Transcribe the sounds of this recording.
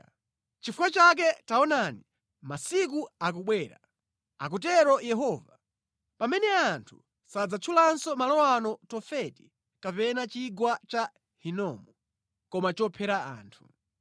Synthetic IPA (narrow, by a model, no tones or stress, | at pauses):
t͡ʃifuwat͡ʃak̬ɛtaɔnani | masik̬uak̬uɓwɛːɾa̰ | a̰k̬ut̬ɛɾɔjɛɦɔːva | pamɛnɛantʰṵ | sad͡zat͡ʃʰulansɔmalɔwanɔtɔfɛti̥ | kapɛnat͡ʃiɡwat͡ʃa | hinɔmɔ | kɔmat͡ʃɔpʰɛɾaa̰ːntʰu̥